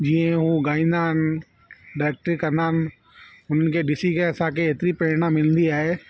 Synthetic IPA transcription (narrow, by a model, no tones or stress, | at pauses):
d͡ʑiːə̃ɦũɡaːĩːn̆d̪aːɦɪnɪ | ɖaːek̚ʈəɾkɐɾnd̪aːnɪ̆ | ʊn̤ənɪ̆kʰeɗɪsikeɐsãkʰeeːt̪ɪɾipeːɾɽãmɪlə̃nd̪iaːɦeː